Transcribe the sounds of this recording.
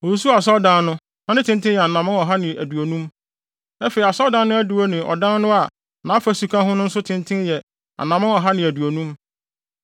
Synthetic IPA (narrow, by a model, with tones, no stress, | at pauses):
ɔ˨su˦su˦˨a˨s̬ɔ˦dã˦nnʊ̃˦ | nã˦nɪ̃˦tʰɪ̃˦ntʰɪ̃˦jɛ˨a˨nã˨mã˦ɔ˨ɦa˦nɪ̃˨æ˨du˨o˨nũ˦m | ɛ˦fe˨i˨a˨sɔ˦dã˦n˦nʊ̃˦æ˦du˨wo˦nɪ̃˨ʔɔ̰˨dã˦n˦nʊ̃˦a˨ | nã˨˦a˦fæ˦su˨kʰã˦ɦʊ̃˦nʊ̃˦n̩˦sʊ˦tʰɪ̃˦ntʰɪ̃˦njɛ˨ | a̰˨nã˨mã˦nɔ˨ɦa˦nɪ̃˨æ˨du˨o˨nũ˦m